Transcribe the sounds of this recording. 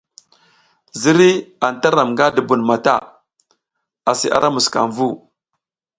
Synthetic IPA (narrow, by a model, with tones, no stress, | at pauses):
zi˦ɾi˦a˨n˨ta˦ɾa˨mŋɡa˦du˨bu˨nma˨ta̰˦ | a˨sḭ˨ʔa̰˦ɾa˦mu˨ska̰˨nvu˦˨